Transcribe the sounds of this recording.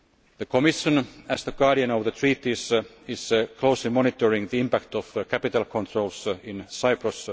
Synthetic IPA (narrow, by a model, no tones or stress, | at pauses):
ðəkʰomɪʃə̃næsðəɡ̥ɑːɾiə̃nɔʋðət̪ʰɹiːt̪is | ɪskʰloʊslimɔnɪt̪əɹɪ̃ŋðiɪ̃mpækt̪ɔfkʰæpit̪alkʰɔ̃nt̪ʰɹolsɪ̃nsaɪpɹos